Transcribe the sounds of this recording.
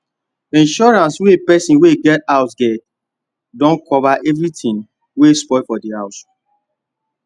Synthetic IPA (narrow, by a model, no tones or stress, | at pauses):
ĩnʃɔɹãnswepɛsĩnweɡɛtaʊsɡɛt̚ | dɔ̃nkʰɔvaʔɛvɹitĩn | wespɔfɔdihaʊs